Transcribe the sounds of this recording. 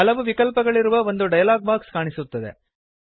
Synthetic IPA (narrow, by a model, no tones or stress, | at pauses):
ɐlɐʋuʋikɐlpɐɡɐɭiɾuʋɐo̞nd̪uɖɐjɐlaːɡ̚maːɾkskaːɳisut̪ːɐd̪e̞̰